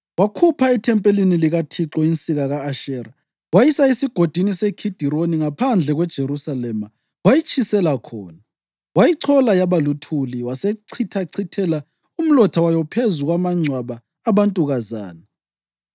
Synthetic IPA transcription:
wakʰupʰaitʰɛmpʼeliniliɣatʰiǁɔint͡sʼiɣaɣaːʃɛːɾa | wajisaisiɡ̥ʱod̥ʱinisekʰid̥ʱiɾoniŋapʰand͡ɮʱɛɣwɛd̥ʒ̥ʱeɾusalɛma | wajit͡ʃʰʼisɛlakʰɔ̰ːna | wajiǀʰɔlajaβalutʰuliwaseǀʰitʰaǀʰitʰɛla | um̩lɔtʰawajɔpʰezuɣwamaŋ͡ǀʱwaβaː | βantʼuɣaza̰ːna

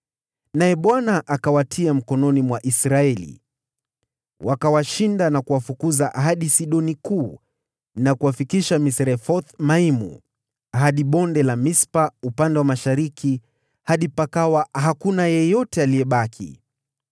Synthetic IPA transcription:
najɛɓwanaʔakawatʰiam̩kɔnɔnimwaʔisɾaɛlḭ | wʔakawaʃindanakuwafukuzaʔɦaɗisiɗɔnikuː | nakuwafikiʃamisɾɛfɔθmaimṵ | aɦaɗiɓɔndɛlamispaupandɛwamaʃaɾiki | haɗipakawaɦakunajɛjɔtɛaliɛɓakʰḭ

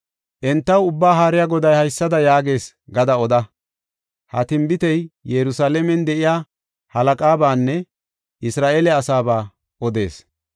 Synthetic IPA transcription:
ʔɛnt̪ːɐwʊbːaːɦaːɾɪjaɡɔd̪ɐjhɐjsːɐd̪ɐjaːɡe̞ːs | ɡɐd̪ɐɔd̪ɐ | hɐ̰t̪ɪmbɪt̪ɛjjɛɾʊsaːlɛmɛnd̪ɛʔɪjaː | hɐlɐkʼaːbaːnːɛ | ʔɪsɾaːʔeːlɛɐsaːbaː | ʔɔd̪e̞̰ːs

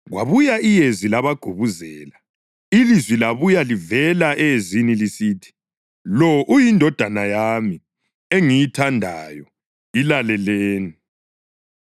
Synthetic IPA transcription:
ɣwa̰βujaijezilaβaɡ̥ʱuβuzɛːla | ilizwilaβujalivɛlaʔɛzinilisiːtʰi̥ | lɔʔujindʱɔd̥ʱanajaːmi | eŋijitʰandʱajɔ | ilalɛleːni

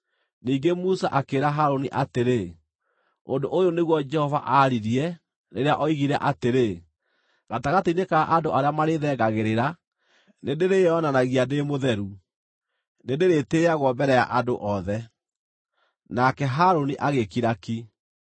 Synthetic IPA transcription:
niːŋɡemusaʔakeɾaɦaɾoniʔateɾe | ondoʔojoneɣwɔd͡ʒɛhɔva̰ʔaɾiɾiɛ | neɾeaʔɔiɣiɾɛʔateɾe | ɣataɣatinekaʔadoʔaɾeamaɾeðɛːɡaɣeɾeɾa | nedeɾeɔnanaɣianemoðɛɾu | nedeɾeteːaɣwɔbɛɾɛja̰ʔandoʔɔðɛ | nakɛɦaɾoniʔaɣekiɾaki

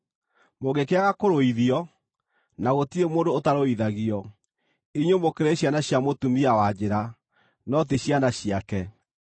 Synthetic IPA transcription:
moɣekeaɣakoɾoiðiɔ | naɣotiemoːndoːtaɾoiðaɣiɔ | iɲwomokeɾeɕjanaɕjamotumiawad͡ʑeɾa | nɔt̬eɕjanaɕiakɛ

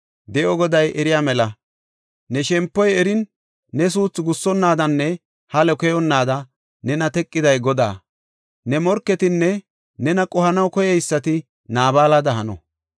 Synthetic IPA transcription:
d̪ɛʔɔɡɔd̪ɐjʔɛɾɪjaːmɛlɐ | nɛʃɛmpːɔjɛɾɪnː | ɛs̬uːt͡sːɡʊsːɔnːaːd̪ɐnːɛ | hɐlɛkɛjɔnːaːd̪ɐ | nɛnɐt̪ɛkʼːɪd̪ɐjɡɔd̪a̰ː | nɛmɔɾkːɛt̪ɪnːɛ | nɛnɐkʼɔhɐnɐwkɔjɛjsːɐt̪ɪ | naːbaːlɐd̪ɐɦɐnɔ̰

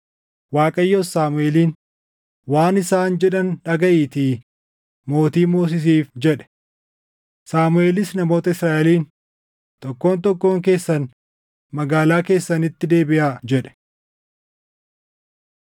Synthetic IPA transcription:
waːkʼɐjːoaːmʊʔeːliːn | waːnɪsaːnd͡ʒɛᶑɐnᶑɐɡɐʔiːt̪i | mo̞ːt̪iːmoːs̬ɪs̬iːfd͡ʒɛᶑɛ̥ | saːmʊe̞ːlɪsnɐmo̞ːt̪ɐɪsɾaːʔɛliːn | t̪ɔkːo̞ːnt̪ɔkːo̞ːŋk̬e̞ːsːɐn | mɐɡaːlaːke̞ːsːɐnɪt̪ːɪd̪e̞ːbɪʔaːd͡ʒɛᶑɛ̥

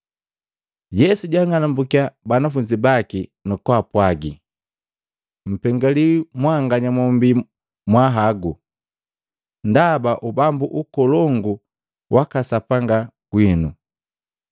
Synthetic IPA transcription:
jɛsuɟaŋanambukiabanafuɲd͡ʒibakinɔkwapwaɡi | m̩pɛŋɡaliwimwaŋɡaɲamɔmbi | mwaɦaɡu | ndabaʔubambuʔukɔlɔŋɡu | wʔakasapaŋɡa | ɡwinu

